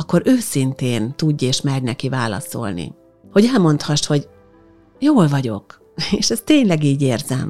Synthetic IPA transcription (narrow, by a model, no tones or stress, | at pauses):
kːo̞ɾʔøːsint̪eːnt̪uɟːeːʃmɛrnɛkivaːlɒ̰so̞̰lnḭ | ho̞ɟɛlmo̞nt̪hɒʃho̞ɟ | joːlvɒɟo̞k | eːʃɛst̪eːɲlɛɡiːɟeːrzɛm